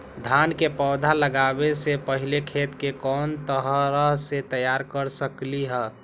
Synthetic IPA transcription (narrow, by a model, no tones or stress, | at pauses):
d̪ʱankepɔːd̪ʱaləɡabesepəɦilekʰet̪kekɔːnt̪əɦəɾəɦset̪əjaɾkəɾsəkliɦɛː